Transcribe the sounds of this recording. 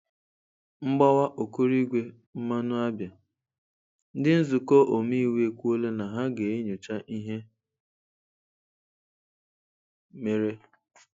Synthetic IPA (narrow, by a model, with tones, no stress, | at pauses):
ŋ͡m̩˦ɡ͡bɔ˦wa˦ʔo˨ku˦ɾi˦ɡʷe˨ | m̩˦ma˦nʊ˦a˦bja˨ | n̩˦dɪ˦n̩˦zu˨ko˦ʔo˨mi˦we˦kʷu˦o˦le˦na˨ɦa˦ɡe˨e˦ɲu˨t͡ʃa˦ʔi˦ɦe˦ | me˨ɾe˦